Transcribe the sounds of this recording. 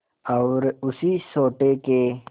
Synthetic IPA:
ɐːɾʊsisoːʈeke

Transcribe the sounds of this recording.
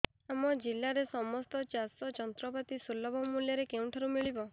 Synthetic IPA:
amɔd͡ʒilːaɾesɔmɔst̪ɔt͡ʃasɔd͡ʒɔnt̪ɾɔpat̪isulːɔbɔmuljɔɾekeũʈʰaɾumiɭibɔ

